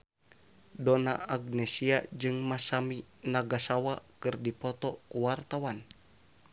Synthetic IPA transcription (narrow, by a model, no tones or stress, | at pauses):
dɔnaaɡnɛsiad͡ʒɨŋmasaminaɡasawakɨrdipɔt̪ɔkuwart̪awan